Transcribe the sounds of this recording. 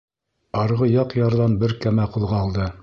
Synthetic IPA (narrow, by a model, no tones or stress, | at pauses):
ɑɾʁɤjɑqjɑɾðɑnbɘɾkæmæqɤ̆lˠʁɑːlˠd̪ɤ